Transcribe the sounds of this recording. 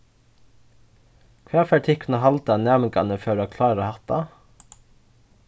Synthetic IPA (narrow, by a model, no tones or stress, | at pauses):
kʰʋæːfæːʈʰɪkʰnəhɑlt̪ɑnæːmɪkɑ̰nəføːɾːkʰlɑːɾɾəhɑt̪ɑ